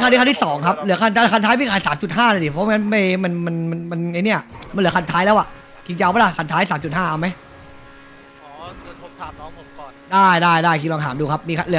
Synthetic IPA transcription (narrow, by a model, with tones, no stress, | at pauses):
ka˧i˧t̪i˥˩sɔː˩˦ŋkʰa˦˥p̚lɯ˩˦ɐkʰa˧˩nt̪ʰaː˧˥˩kʰa˧nt̪ʰaː˦˥jmiː˧kʰaː˧˩nsaː˩˦mt͡ɕu˨˩t̪̚ɦaː˥˩la˧˩di˨˩pʰɔ˦wŋa˦˥nma˥˩jma˧nma˧nma˧nma˧nʔa˧ni˦˥ɐ˨˩ma˧nlɯ˩˦kʰa˧nt̪ʰaː˦˥jlɛ˦˥wa˨˩ʔ | kʰi˧nt͡ɕa˧ʔwba˧˥˩la˧˥˩kʰa˧˩nt̪ʰaː˦˥jsaː˨˦mt͡ɕu˨˩t̪̚haː˥˩ʔa˧wma˦˥j | ɔː˨˦kɯ˧˩t̪ʰo˦˥p̚t̪ʰa˧˩mnɔː˦˥ŋpʰo˨˦mkɔː˨˩ndaː˥˩jdaː˥˩jdaː˥˩jkʰi˧nlɔː˧ŋtʰaː˩˦mduː˧˩kʰa˦˥p̚miː˧kʰa˧lɯ˩˦